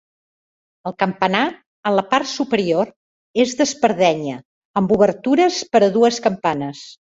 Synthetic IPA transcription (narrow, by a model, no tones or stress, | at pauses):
əlˠkəmpəna | ənləpart̪supəɾioɾ | ezðəspəɾð̞ɛɲə | əmbuβərt̪uɾəspəɾəðuəskəmpanəs